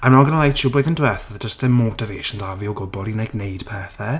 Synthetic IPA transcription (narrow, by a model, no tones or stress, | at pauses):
anɔɡənəlˠajt͡ʃʰuboɨðəndwɛθəðədəstɛmotʰɪveːʃəndavioɡʊbɔlˠinɛɡnejd̥pʰɛθɛ